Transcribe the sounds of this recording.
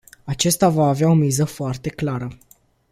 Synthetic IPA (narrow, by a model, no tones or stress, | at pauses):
at͡ʃest̪avaːveao̞mizəfoart̪e̞klaɾə